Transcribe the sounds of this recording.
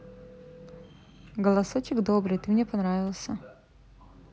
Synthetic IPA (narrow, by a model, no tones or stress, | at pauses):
ɡlˠasat͡ʃiɡd̪obɾɛt̪imnʲɛponɾaʋilˠsʲa